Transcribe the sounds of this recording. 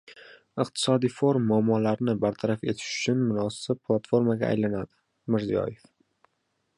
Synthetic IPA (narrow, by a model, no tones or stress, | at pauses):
ɪq̚t̪ʰɪ̥sɒd̪ijfoɾmːʊamːɒlaɾnɪbaɾt̪ʰaɾafe̞̰t̪ʰɪ̥ʃʊ̥t͡ʃʰʊnmʊnɒsɪp̚pʰːlˠat̪fo̞ɾmaɡʲa̰a̰jlanad̪ɪ̥ | mɪɾzijɒ̰je̞f